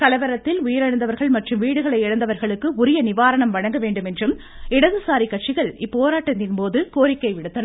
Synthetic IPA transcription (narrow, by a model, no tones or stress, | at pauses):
kɐlɐʋɐɾɐt̪ːɪlʊjɐɾɐɻɐnd̪ɐʋɐɾɣɐɭmɐʈrɯmʋiːɽɯɣɐɭɐɪɛɽɐnd̪ɐʋɐɾɣɐɭɯkːɯʊɾɪjɐnɪʋaːɾɐɳɐmʋɐɻɐŋɡɐʋeːɳɖɯmɛndrɯm | ɪɽɐðɯsaːɾikɐʈ̚t͡ʃːɪɣɐɭɪpːoːɾaːʈːɐnːɪnpoːðɯkoːɾɪkːɐɪʋɪɽɯt̪ːɐn